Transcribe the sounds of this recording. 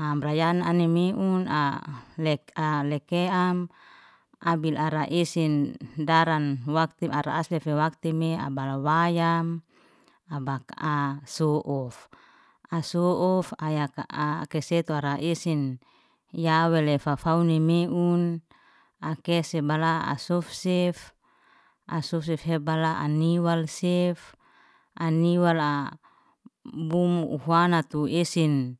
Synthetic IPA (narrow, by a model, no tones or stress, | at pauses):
amrajananemiʔuna̰lɛkalɛkeam | abilaɾaʔisindaɾanwak̚t̪iaɾa̰aslefewak̚t̪imea̰balawajam | abakasɔʔɔf | asɔʔɔfajakakɛsɛt̪uaɾaʔesin | jawelefafaunemeʔun | akɛsɛbalaa̰sɔfsɛf | ʔa̰sɔfs̬ɛfhebalaʔa̰niwalsɛf | ʔaniwala | bumṵhwanat̪uesin